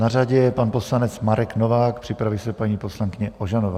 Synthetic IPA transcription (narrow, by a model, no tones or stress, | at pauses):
naraɟɛpanpo̞slanɛt͡smaɾɛknovaːk̚pr̥ɪpɾavɪsɛpaɲiːposlaŋkɪɲɛʔoʒanova